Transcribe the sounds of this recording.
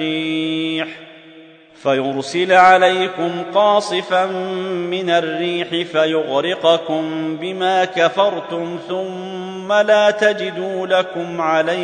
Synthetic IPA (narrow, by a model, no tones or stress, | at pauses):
iːħ | fajʊɾsɪlʕalajkʊmqɑːsˤɨfanːɪnarːiːħɪfajʊɣɾɪqɑkʊmbɪmaːkafɑɾˤt̪ʊmθʊmː | alaːt̪ad͡ʒɪd̪uːlakʊmʕala